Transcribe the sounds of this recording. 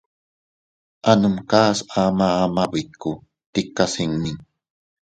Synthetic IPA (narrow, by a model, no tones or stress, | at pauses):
ʔanumkaːsamaːmabikːu | t̪ikːasiŋmin